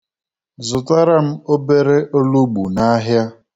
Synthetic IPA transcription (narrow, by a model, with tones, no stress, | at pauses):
zʊ˨ta˦ɾa˦m̩˦o˦be˦ɾe˦ʔo˦lu˦ɡ͡bṵ˨na˦ɦja˦